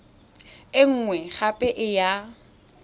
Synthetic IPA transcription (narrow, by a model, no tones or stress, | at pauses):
ɪŋ̩ŋwɛχapʼɛʔɪja